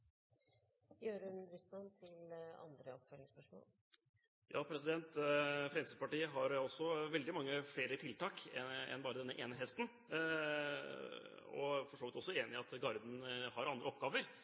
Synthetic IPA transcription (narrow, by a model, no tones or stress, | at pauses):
jøːɾʉnbɾʏslɑnt̪ʰɪlɑ̰nd̪ɾəɔpfœlɪŋspœʂmo̰ːl | jʔɑ̰ːpʰɾɛsɪd̪ɛnt̪fɾɛmsəpɑʈiːəɦɑɾɔsːɔʋɛld̪ɪmɑŋːəfɽeːɾət̪ʰɪlt̪ɑːkɛɛ̰nbɑːɾəd̪ɛnːəʔeːnəɦɛst̪n̩ | ɔ̰fɔʂoːʋɪt̪ɔsːɔeːnɪɑt̪ɡɑɾd̪n̩hɑɾɑnd̪ɾəɔpːɡɑːʋəɾ